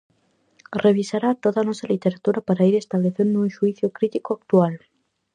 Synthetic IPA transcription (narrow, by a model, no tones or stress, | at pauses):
rʔeβ̞isaɾat̪oðanɔsalit̪eɾat̪uɾapaɾaiɾest̪aβleθend̪unʃuiθjʊkɾit̪ikoak̚t̪ual